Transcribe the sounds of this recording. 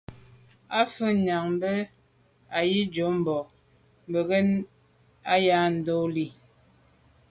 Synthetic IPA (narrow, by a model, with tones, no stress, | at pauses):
a˦fə˦ɲa˨ŋm˦bə˦ | a˨ji˦d͡ʒo˨˦m̩˨bɔ˨ | m˨bə˨ɣe˦n | a˦ja˦n̩˨do˦li˦˨